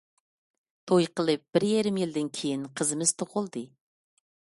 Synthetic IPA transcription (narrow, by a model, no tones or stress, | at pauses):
t̪ʰojqʰəlˠɨp̚b̥ɪɾjeɾɪmjild̪ɪnkʲʰejinqʰəzɨmɪz̥t̪ʰoqʊlˠd̪ɨ